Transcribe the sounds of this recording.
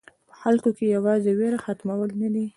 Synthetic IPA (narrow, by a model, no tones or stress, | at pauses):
pə̥xalkokejawɑzeweɾaxat̪mawəlnad̪i